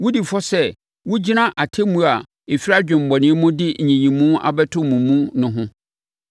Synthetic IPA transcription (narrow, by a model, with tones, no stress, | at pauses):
wʊ˦di˨fɔ˦sɛ˦ | wʊ˦d͡ʑi˦nã˦ʔa˨tʰe˦mũ˦a˨ | e˨fi˦ɾa˦d͡ʑᶣɪ̃˨m̩˨bɔ˨nɪ̃˦ɛ˦mũ˦dɪ˦˨ɲĩ˨ɲĩ˨mũ˦a̰˨bɛ˦tʰʊ˦mũ˨mũ˦nʊ̃˦ɦʊ̃˦